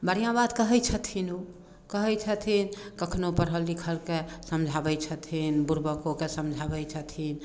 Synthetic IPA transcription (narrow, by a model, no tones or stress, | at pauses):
bəɾijãbad̪kəɦɛjt͡ʃʰət̪ʰinu | kəɦɛjt͡ʃʰət̪ʰinkəkʰnopəɾɦəlːikʰəlkesəmd͡ʒʱabəjt͡ʃʰət̪ʰinbuɾbəkokesəmd͡ʒʱabəjt͡ʃʰət̪ʰin